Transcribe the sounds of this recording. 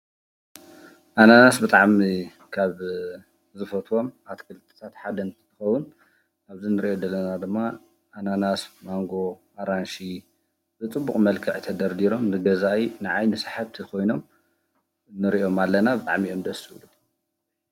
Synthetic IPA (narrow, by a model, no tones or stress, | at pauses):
ʔananasbɨt̪ʼaʕmi | kʰaβ | zɨfɐt̪ʰwo̞mʔat̪kʰɨlt̪ʼɨ̥t̪ʰat̪ħad̪ɐnt̪ʰt̪ʰɨ̥xɐwːʊn | aβzinɨɾiʔod̪ɐlɐnad̪ɨmːa | ʔːnanasmaŋɡo̞ʔaɾanʃi | bɨt͡sʼɨbːukʼmɐlkʰɨʕt̪ʰɐd̪ɐɾd̪iɾo̞mnɨɡɐzajnɨʕajnɨsaħaβt̪ʰikʰo̞jno̞m | nɨɾiʔo̞malːɐnabɨt̪ʼa̰ʕmiʔo̞md̪ɐsɨulu